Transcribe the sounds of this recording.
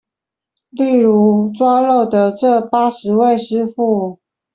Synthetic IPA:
li˥˩ɻu˧˥ʈ͡ʂwa˥lo˥˩ʊd̪ə˨ʈ͡ʂɤ˥˩pa˥ʂɻ̩˧˥we˥˩ɪʂɻ̩˥fu˥˩

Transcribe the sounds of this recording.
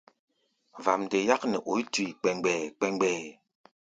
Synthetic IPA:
va˨mde˨ja˦k̚nɛ˨ʔo˨i˦ti˨k͡pɛ˨ŋɡ͡bɛː˨k͡pɛ˦ŋɡ͡bɛː˨

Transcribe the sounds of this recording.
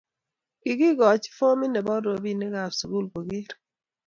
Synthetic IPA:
ki˨ɡi˦ɡɔ˨t͡ʃi̥˦fo˦mi˦nɛ˨bɔ˦do˨bi˦˨nɛ˦ɡa˨su˨ɡu˦lko˨ɡɪ˦ɾ

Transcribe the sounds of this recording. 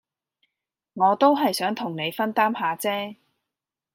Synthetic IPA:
ŋɔː˨˧t̪o˥wɦɐ˨jsœː˨˥ŋt̪ʰʊ˨˩ŋne˨˧jfɐ˥nt̪aː˥mɦaː˨˧t͡sɛː˥

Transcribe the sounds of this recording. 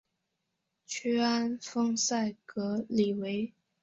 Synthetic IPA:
t͡ɕʰy˥a˥nfɤ˥ŋsa˥˩ɪkɤ˧˥li˨˩we˧˥ɪ

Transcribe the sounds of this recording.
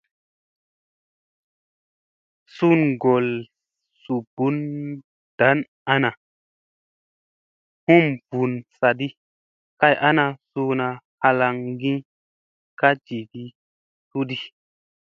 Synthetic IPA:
su˦nɡo˨l | su˨b̥u˨˦n | d̥a˨˦n | a˦na˨ | hu˦mvu˨nsa˨di˦ | ka˦jʔa˦na˧su˧na˧ha˧la˧ŋɡĩ˦ | ka˦d͡ʒi˨di˦ | tu˦di˦

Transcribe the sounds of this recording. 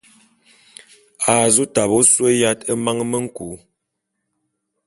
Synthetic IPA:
a˨zu˦ta˨bo˦swe˦ja˦tə˦ma˦ŋ˦mə˦ŋ̩˦ku˨˦

